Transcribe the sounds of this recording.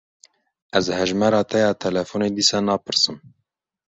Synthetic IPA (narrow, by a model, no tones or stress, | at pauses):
ʔɛzhɛʒmɛɾɑːt̪ʰɛjɑːt̪ʰɛlɛfuned̪iːsɑːnɑːpɨɾsɨm